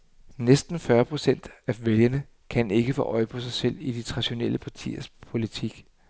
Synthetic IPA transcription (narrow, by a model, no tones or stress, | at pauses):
nesd̥n̩fɶɐpʰʁo̝sen̰d̥æʋeljɐnə | kʰæne̝ɡ̥əfɔ̰ːʔɒ̽ɪpʰɒ̽sɑ̈ɪsel̰id̥it͡sʰʁɑ̈ɕo̝nel̰əpʰɑ̈t͡sʰḭːɐspʰo̝lit͡sʰiɡ̥